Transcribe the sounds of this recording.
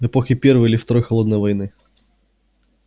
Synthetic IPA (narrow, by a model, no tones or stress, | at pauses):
ɛpɔxʲɪpʲɛrvɨjilʲɪft̪ɐɾɔjxɐlˠɔd̪nəjvɐjnɨ